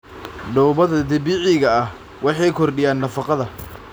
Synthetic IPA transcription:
ɖɔwβɐðɐd̪ɐbiːʕɪɣɐɐh | wɑħɑjkʰɔrɗɪjaːnːɐfɑqɑðɐ

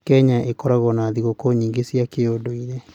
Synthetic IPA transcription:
kɛɲaʔekɔɾaɣɔnaðiɣokoɲiːŋɡesiakeodoiɾe

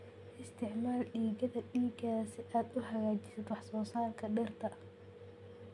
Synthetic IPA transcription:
ʔɪst̪ʰɪʕmaːlɖiːɡɐðɐɖiːɡaːsɪʔaːd̪ʊɦɐɣaːt͡ʃɪsɐd̪wɑħsɔːsaːrkʰɐɖɛrt̪ʰɐ

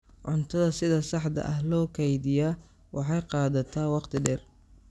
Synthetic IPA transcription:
ʕʊnt̪ʰɐðɐsɪðɐsɑħd̪ɐ̰ʔɐɦlɔːkʰɛjðɪjaː | wʔɑħɑjqɑːðɐt̪ʰaːwɑqt̪ʰɪɖɛr

